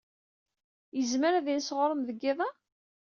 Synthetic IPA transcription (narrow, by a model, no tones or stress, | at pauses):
jəzməɾæðinsʁəɾˤəmðəɡːɪðˤɑ